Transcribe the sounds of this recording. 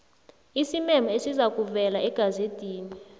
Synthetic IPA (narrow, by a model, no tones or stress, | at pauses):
isimɛmaesizak̬ʼuvɛlaɛɡ̥ʱazed̥ʱiːnɛ